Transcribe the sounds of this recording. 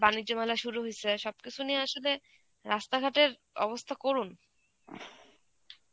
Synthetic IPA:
banid͡ʑːomɛlaʃuɾuɦiseʃɔbkit͡ɕʰunieaʃole | ɾast̪aɡʱaʈeɾ | ɔ̰bost̪ʰakoɾun

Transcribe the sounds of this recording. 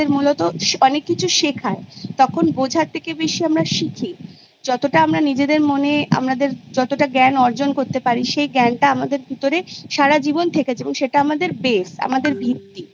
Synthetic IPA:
eɾmulɔt̪oʃɔnekːit͡ɕʰuʃekʰaet̪ɔkʰonbod͡ʑʱaɾt̪ʰekebeʃiamɾaʃikʰi | d͡ʑɔt̪oʈaamɾanid͡ʑed̪eɾmonea̰mnad̪eɾd͡ʑɔt̪oʈaɡɛnɔɾd͡ʑonkoɾt̪epaɾiʃejɡɛnʈaamad̪eɾbʱut̪oɾeʃaɾad͡ʑibont̪ʰeket͡ɕʰeboŋʃeʈaamad̪eɾbesa̰mad̪eɾbip̚t̪i

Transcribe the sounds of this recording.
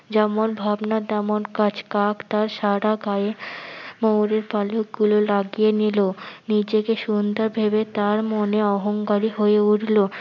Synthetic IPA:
d͡ʑɛmonbʱabnat̪ɛmonkat͡ɕkakt̪aɾʃaɽaɡaemowɾeɾpalok̚ɡulolaɡienilonid͡ʑekeʃund̪ʱaɾbʱebet̪aɾmoneɔɦoŋkaɾiɦoeuɽlo

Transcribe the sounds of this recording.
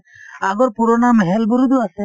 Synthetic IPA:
aɡɔɾpuɾɔnamɦɛlbuɾud̪uwasɛ

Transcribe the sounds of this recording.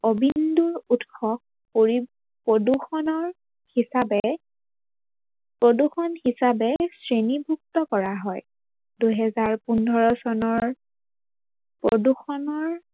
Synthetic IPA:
obinduɹutxʰɔk̚ | poɹi | poduxɔnɔɹ | hisabɛ | pɹoduxɔnhisabɛsɹenibʱuk̚tɔkɔɹaɦɔj | dujɦɛzaɹpundʱɔɹɔsɔnɔɹ | pɹoduxɔnɔɹ

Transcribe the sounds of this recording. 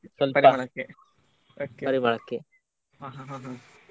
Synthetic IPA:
sɐlpɐɾɐɐɭɐkːe | oːkːepɐɾimɐɭɐkːe | aɦaɦãɦã

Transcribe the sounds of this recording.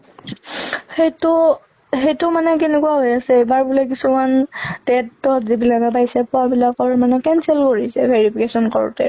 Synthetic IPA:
xejtʊ | xejtʊmanɛkenɛkuaɦojasɛebaɹbulɔk̬isumantɛtːɔtzibilakɛbajsɛpɔabilakɔɹmanɛkɛnsɛlkoɹisɛbʱeɹipʰikesɔnkɔɹ̰tɛ

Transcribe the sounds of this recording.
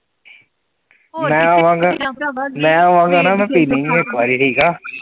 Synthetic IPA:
mɛ̃ːaːʋãːŋɡaːmɛ̃ːaːʋãːŋɡaːnaːmɛ̃ːpiːnẽĩekːʋaːɾiʈʰiːkaː

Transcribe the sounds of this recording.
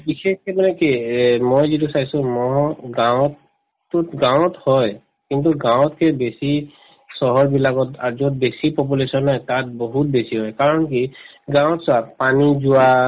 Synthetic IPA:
bixeskemanɛkimɔjzit̬usajsʊ̃mɔɡãw̃ɔtː | utɡãw̃ɔthɔj | kint̬uɡãw̃tkʰɛbesi | sɔɦɔɹbilakɔtazɔt̚besipɔp̬ulesɔnɦɔjtat̚bɔɦut̚besiɦɔjkaɹɔnki | ɡãw̃ɔtsʊapanizʊa

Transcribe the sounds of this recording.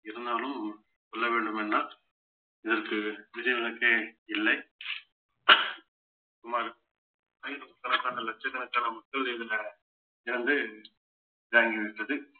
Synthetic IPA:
ɪɾɯnd̪aːlɯm | sɔlːɐʋeːɳɖɯmɛnːaː | ɪðɐɾkːɯʋɪd͡ʒɐjɐŋɡɐɭɯkːeːɪlːɐɪ | sʊmaːɾɯ | pɐjɪɾɯʊt̪ːɐnɐt̪ːaːnɐlɐt͡ʃːɛt̪ːɐnɐkːanɐmɐkːɐɭɪðɪlɐ | ɪɾɐnd̪ɯ | d͡ʒaːŋɡiʋɛʈːɐðɯ

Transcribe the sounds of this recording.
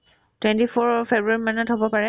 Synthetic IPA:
twɛ̃ntifʰɔɹfebɹaɹimanatɦobɔpaɹɛ

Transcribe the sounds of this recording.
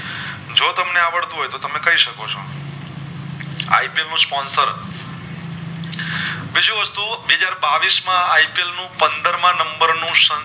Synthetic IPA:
d͡ʒot̪əmneaʋəɭt̪ũɦojt̪ot̪əmekəiʃəkot͡ʃʰo̰ | a̰ipielnũspɔ̃nsəɾ | bid͡ʒũʋəst̪uʋeɦəd͡ʒaɾbaʋismãaipelnũpənd̪əɾmãnəmbəɾnũʃə

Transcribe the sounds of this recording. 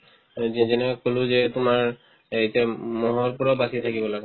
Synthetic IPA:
zinɛkolʊ̃zɛtʊmaɹ | etiamɔɦɔɹpuɹɔbasit̪ʰakibɔlaɡ

